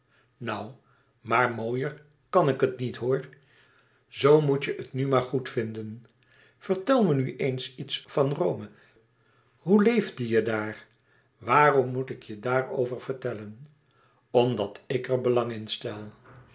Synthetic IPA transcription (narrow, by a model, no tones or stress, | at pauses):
nʌw | maːɹmoːjər | kɑnɪkətnitɦoːɹ | zowmucjəʔətnymaːɹχutfɪndən | v̥əɹtɛlˠmənyʔejnsitsfɑnrowmə | ɦulejvdijədaːɹ | ʋaːrɔmːutɪkjədaːro̰wvəɹvəɹtɛlən | ɔmdɑtɪkəɹbəlɑŋɪnstɛlˠ